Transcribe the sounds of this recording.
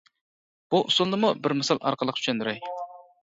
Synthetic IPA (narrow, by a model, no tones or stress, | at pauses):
b̥uʔusunlˠɨmubɪɾmesɑlˠɑ̰ɾqəlˠəqʰy̥ʃɛnd̪yɾɛj